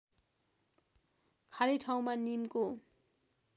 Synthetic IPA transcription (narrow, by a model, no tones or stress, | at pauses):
kʰaliʈʰaw̃manimko